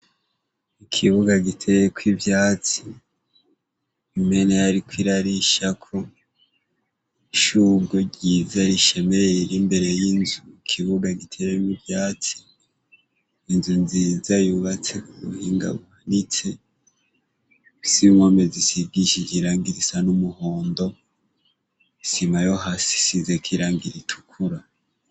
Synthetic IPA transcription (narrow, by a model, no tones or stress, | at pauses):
ikʰiβuɡaɡitʰejekwivjaːt͡si̥ | βime̞neaɾikwiɾaɾiʃakʰo̞ | iʃuɡoɟizaɾiʃe̞meɾimbe̞ɾe̞jinzuikʰiβuɡaɡitʰejenivjaːt͡si̥ | nzunzizajuβat͡sekuɾṵhiːŋɡa̰βuhanit͡se | simwomezisiɡiʃikiɾaːŋɡiɾisanumuhoːndo̞ | isimajohasi̥sizekʰiɾaːŋɡiɾitʰu̥kʰuɾa